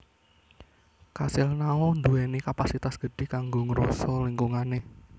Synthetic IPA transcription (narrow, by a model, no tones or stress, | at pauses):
kasɪlnaɔnd̪uɛnikapasit̪asɡ̥ə̤ɖ̥ɪ̤kaŋɡoŋəɾɔ̰sɔliŋkuŋane